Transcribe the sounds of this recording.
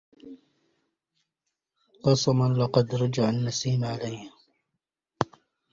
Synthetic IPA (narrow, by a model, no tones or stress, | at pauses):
ʔɑsˤɑmɑnlɑqɑd̪ɾˤɑd͡ʒaʕalmasiːnʕalajh